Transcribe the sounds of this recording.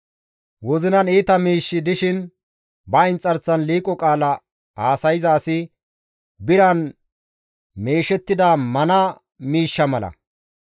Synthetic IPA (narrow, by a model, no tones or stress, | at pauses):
wɔzɪnɐniːt̪ɐmiːʃːɪd̪ɪʃɪn | bɐɪnt͡sʼɐɾt͡sːɐnliːkʼːɔkʼaːlɐ | aːsɐjɪzɐːsɪ | bɪɾɐn | meːʃɛt̪ːɪd̪ɐmɐnɐ | miːʃːɐmɐlɐ̰